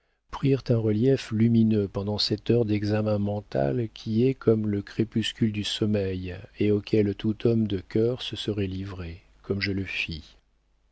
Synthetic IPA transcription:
pχiʁt̪ɛ̃ʁəljɛflyminøpɑ̃d̪ɑ̃sɛt̪œʁd̪ɛɡzamɛ̃mɑ̃t̪a̰lkʲʰiɛkʰɔmləkχepyskʲyld̪ysɔmɛjeokʰʲɛlt̪ut̪ʰɔmd̪əkʲœʁsəsəʁɛlivʁe | kɔmʒələfi

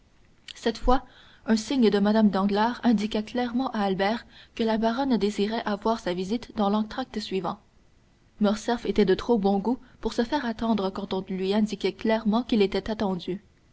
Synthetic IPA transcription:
sɛt̪fwa | œ̃siɲd̪əmad̪amd̪ɑ̃ɡlaːʁɛ̃d̪ikʲaklɛʁmɑ̃ʔaːlbɛːʁkəlabaʁɔnd̪eziʁɛʔavwaːʁsavizit̪d̪ɑ̃lɑ̃t̪χak̚t̪sɥivɑ̃ | mɔʁsɛfet̪ɛd̪ət̪χobɔ̃ɡupuʁsəfɛːʁat̪ɑ̃d̪ʁəkɑ̃t̪ɔ̃lɥiɛ̃d̪ikʲɛklɛʁmɑ̃kʲilet̪ɛt̪at̪ɑ̃d̪y

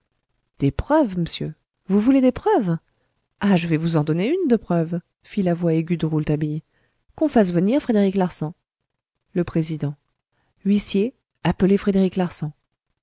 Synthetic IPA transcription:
d̪̥epχœvməsjø | vuvuled̪epχœv | aʒəvɛvuzɑ̃d̪ɔneynd̪əpχœv | filavwaeɡʲyd̪əʁult̪abij | kɔ̃fas̬vəniʁfχed̪eʁiklaʁsɑ̃ | ləpχezid̪ɑ̃ | ɥisje | apəlefχed̪eʁiklaʁsɑ̃

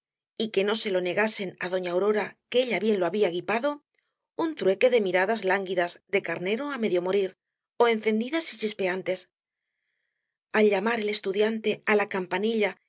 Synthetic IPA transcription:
ike̞no̞se̞lo̞ne̞ɣase̞naðo̞ɲawɾo̞ɾakee̞ʎaβje̞nlo̞aβiaɣipaðo̞ | unt̪ɾwe̞ke̞ðe̞miɾaðazlaŋɡiðazðe̞kaɾne̞ɾo̞ame̞ðjo̞mo̞ɾiɾ | o̞e̞n̟θe̞nd̪iðasit͡ʃispe̞ant̪e̞s | alʎamaɾe̞le̞st̪uðjant̪e̞alakampaniʎa

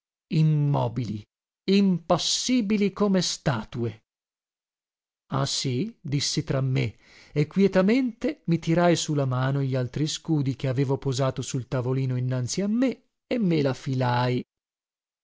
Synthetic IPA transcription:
imːɔːbili | impasːiːbilikomest̪aːt̪ue | a̰sid̪isːit̪ɾamːe | ekːwjɛt̪ament̪emit̪iɾajsulamaːnoʎalt̪ɾiskuːd̪ikeaveːvopozaːt̪osult̪avoliːnoinːant̪siamːe | emːelafilaj

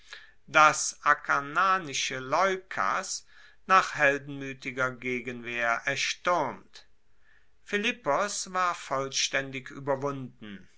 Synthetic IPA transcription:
d̥asʔakʰanaːnɪʃəlɔʏkʰa̰s | naːχhɛldn̩myːtɪɡɐɡeːɡənveːɐʔɛɐʃtʏʁmt | fɪlɪpɔsv̥aːɐfɔlʃtɛndɪky̰ːbɐvʊndn̩

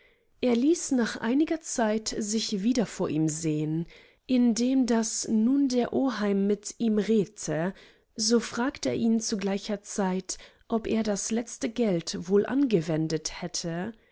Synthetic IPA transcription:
ʔeːɐliːsnaːχʔa̰ɪnɪɡɐt͡saɪtzɪçviːdɐfoːɐʔiːmzeːən | ʔɪndeːmdasnuːndeːɐʔoːɦaɪmːɪtiːmʁeːtʰə | zoːfʁ̥aːktḛːɐʔiːnt͡suɡlaɪçɐt͡saɪt | ʔɔpʔḛːɐdaslɛt͡stəɡɛltvoːlʔa̰nɡəvɛndəthɛtʰə

